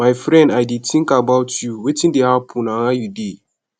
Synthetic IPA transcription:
majfɾɛ̃ndajditʰĩŋkabatjuwetĩndehapʰunaŋajudi

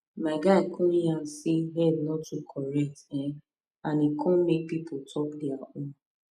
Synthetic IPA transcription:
maɪɡaɪkʰɔ̃ãn̩siɦɛdnɔtukʰɔɹɛk̚tɛ̃ | anikʰɔ̃mek̚pipʰotʰɔkdiaõn

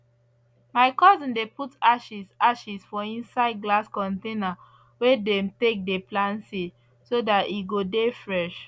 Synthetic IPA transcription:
maɪkɔzĩndeputaʃisaʃisfɔĩnsaɪd̚ɡlaskɔ̃ntẽna | wedɛmtek̚deplãnsi | sodatiɡodefɹɛʃ

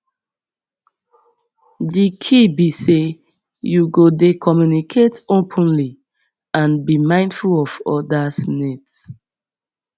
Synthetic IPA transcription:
dikʰibise | juɡodekʰɔmjunikʰetopʰə̃nli | ãnbimãɪ̃ndfulɔvɔ̰dasnɛts

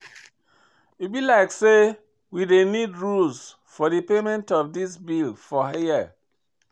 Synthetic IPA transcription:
it̚bilaɪkse | widenidɹuls | fɔdɨpemɛ̃ntɔfdisbilfɔaji

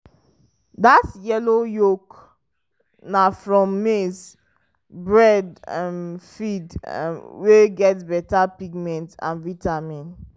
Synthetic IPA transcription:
datjɛlojok | nafɹɔ̃mːes | bɹɛdamfid̰weɡɛtbɛtapiɡmɛ̃ntã̰nvitamĩn

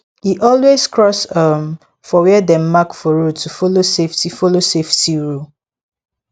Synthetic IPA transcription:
hiʔɔlwez̥kɹɔsʌm | fɔwɛdɛ̃mːakfɔɹodtʰːufoloseftifoloseftiɹu

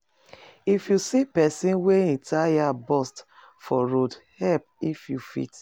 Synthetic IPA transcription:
ifjusipɛsĩnweɛ̃ntʰajabɔst | fɔɾodhɛp̚ifjufḭt

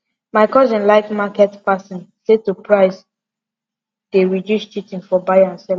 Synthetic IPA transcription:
maɪkɔzɔ̃nlaɪkmakɛtpasɔ̃nsetupɹaɪs | d̥eɹidjust͡ʃitĩnfɔbajãnsɛl

